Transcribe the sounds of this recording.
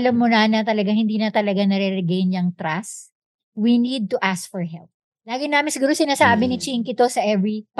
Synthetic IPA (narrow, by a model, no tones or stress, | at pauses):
lɐmːʊnanɐt̪ɐlɐɡaŋhɪnd̪iːnɐt̪ɐlɐɡanɐɾɛɾɛɡɛjnjɐŋt̪ɾas | winid̪̚t̪ʊʔask̚fɔɹɦɛ̰lp̚ | laːɡɪnaːmɪnsɪɡuːɾosɪnaːsaːbɪnɪt͡ʃiŋkɪt̪o̞sɐʔɛvɹip